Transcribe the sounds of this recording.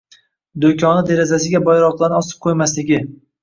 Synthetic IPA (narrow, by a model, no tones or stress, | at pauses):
d̪okʲʰɒnɪd̪e̞ɾazasɪɡʲabɒjɾɒqlˠanɪɒsɪ̥p̚qʰojmaslɪɡʲɪ